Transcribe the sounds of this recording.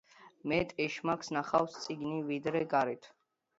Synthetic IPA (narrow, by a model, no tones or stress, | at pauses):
mɛt̪ʼɛʃmakʰsnaχafst̪sʼiɡnivid̪ɾɛɡaɾit̪ʰ